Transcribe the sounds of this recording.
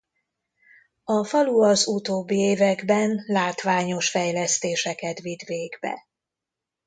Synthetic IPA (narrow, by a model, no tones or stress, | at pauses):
ɒfɒluɒzut̪oːbːieːvɛɡbɛnlaːt̪ʋaːɲo̞ʃfɛjlɛst̪eːʃɛkɛt̪ʋid̪veːɡbɛ̰